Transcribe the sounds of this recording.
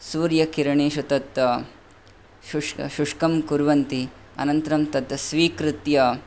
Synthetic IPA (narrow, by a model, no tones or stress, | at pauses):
suːɾjɐkiɾɐɳiːʃut̪ɐt̪ɐ | ʃuʂʃuʂkɐmkuɾʋɐnt̪i | ɐ̰nɐnt̪ɐɾɐmt̪ɐd̪ɐsʋiːkɾɪt̪jɐ